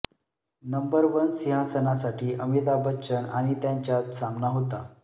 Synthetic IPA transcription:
nəmbəɾʋənsiɦasənasaʈʰiːʔəmit̪̬abətːɕəna̰ɽ̃it̪jaɲt͡ɕjat̪samnaɦot̪a

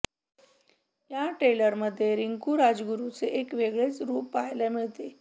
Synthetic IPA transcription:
jjaʈɾeləɾməd̪ʱːjeɾiŋkuɾad͡zɡuɾut͡seʔekʋeɡɭet͡sɾuːpːajlamiɭt̪e

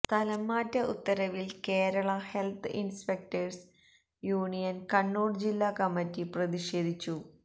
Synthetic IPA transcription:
t̪ɐlɐmːaːtːɐʔut̪ːɐɾɐʋilkeːɾɐɭɐhe̞lt̪ʰɨʔinspek̚tɐrs | juːɳijɐnkɐɳːuːɖd͡ʑilːaːkɐmːɐtːiprɐðiɕe̞ːd̪ʱit͡ɕːu

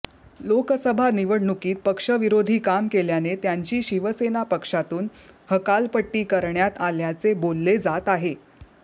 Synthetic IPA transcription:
lokəsəbʱaniʋəɽɳukiːt̪̚pəkʂəʋiɾod̪ʱiːkamkeljanet̪jaɲt͡ɕiːɕiʋəsenapəkʂat̪uːnhəkalpəʈːiːkəɾɳjat̪aljat͡sebolːed͡zat̪aɦe

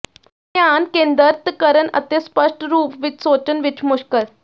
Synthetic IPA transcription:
t̪jankẽnd̪əɾt̪kəɾənə̰t̪espəʂʈɾuːpʋit̪sot͡ɕənʋit͡ɕʰmuʂkəɾ

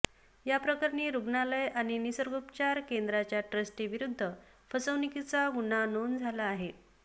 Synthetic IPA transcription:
japɾəkaɾniːɾuɡɳaləjaɽ̃inisəɾɡupt͡ɕaɾkend̪ɾat͡ɕjaʈɾəsʈiʋiɾud̪ʱːə | fəsəʋnikit͡saɡunanond͡zʱalaːɦe

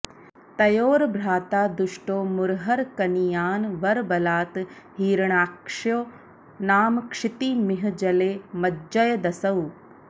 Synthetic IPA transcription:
t̪ɐjoːɾbɾaːt̪aːd̪uʃʈoːmʊɾɦɐɾkɐnijaːnʋɐɾbɐlaːt̪ | ɦiːɾɳaːkʂjoː | naːmkʂɪt̪imɪɦd͡ʒɐleːmɐd͡ʒɐjɐd̪ɐsɐw

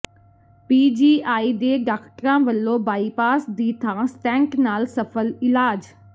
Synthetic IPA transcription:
piːd͡ʑiːʔaːid̪eːɖaːkʈɾãʋəlːobaːipaːsd̪iːt̪ʰãsʈɛ̃ːŋknaːlsɐfəlɪlaːd͡ʑ

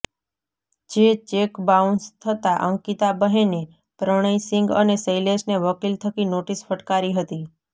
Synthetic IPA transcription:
d͡ʒet͡ʃekbaunst̪ʰət̪aʔəŋkit̪abəɦene | pɾəɽ̃əisɪŋɡə̰nesəjlesneʋəkilt̪ʰəkinoʈisfəʈkaɾiɦət̪i

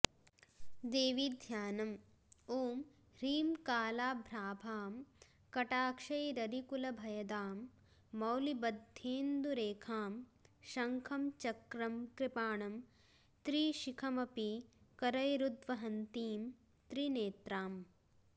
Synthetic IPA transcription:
d̪eːʋid̪ʱjaːnɐm | oːm | ɾiːmkaːlaːbʱɾaːbʱaːm | kɐʈaːkʂɐjɾɐɾikulɐbʱɐjɐd̪aːmː | ɐwlibɐd̪ʱjeːnd̪uɾeːkʰaːmʃɐŋkʰɐmt͡ʃɐkɾɐmkɾɪpaːɳɐm | t̪ɾiːʃikʰɐmɐpikɐɾɐjɾud̪ʋɐɦɐnt̪iːm | t̪ɾineːt̪ɾaːm

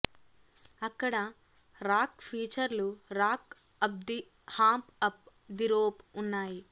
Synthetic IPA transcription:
ɐkːɐɽɐ | ɾaːkpʰiːt͡ʃɐɾluɾaːk | ɐb̚d̪i | haːmpɐp̚ | d̪iɾoːpunːaːji

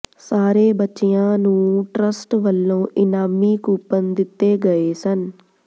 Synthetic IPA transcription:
saːɾeːbətːʃijãːnũːʈɾəsʈʋəlːõːʔɪnaːmiːkuːpənd̪ɪt̪ːeːɡəeːsən

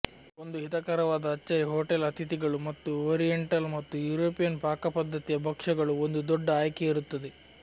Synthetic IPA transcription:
o̞nd̪uɦit̪ɐkaːɾɐʋaːd̪ɐːt͡ʃːɐɾiɦoːʈelɐt̪ʰit̪iɡɐɭumɐt̪ːuoːɾijeɳʈɐlmɐt̪ːujuːɾoːpijɐnpaːkɐpɐd̪ʱːɐt̪ijɐbʱɐkʂɐɡɐɭuond̪ud̪ɔɖːɐaːjkeiɾut̪ːɐd̪e

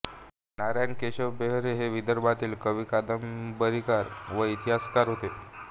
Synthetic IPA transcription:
naɾajnkeɕəʋbeɦɾeɦeʋid̪əɾbat̪iːlkəʋiːkad̪əmbəɾikaɾʋəit̪iɦaskaɾɦot̪e

